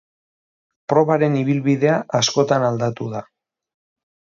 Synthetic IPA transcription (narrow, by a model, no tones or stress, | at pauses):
pɾo̞βaɾe̞niβ̞ilβiðe̞aʔasko̞t̪anald̪at̪uða